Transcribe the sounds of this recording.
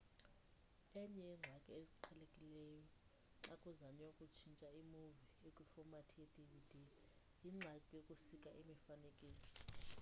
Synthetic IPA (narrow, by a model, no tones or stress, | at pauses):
ɛɲɛɛŋ͡ǁʱakʼɛezi̥ǃʰalekʼilɛːjɔ | ǁakʼuzanɛjokʼut͡ʃʰint͡ʃʼaimuviekʼwifɔmatʰijedivid̥ʱi | jiŋ͡ǁʱakʼijokʼusikʼaʔimifanekʼiːsɔ̥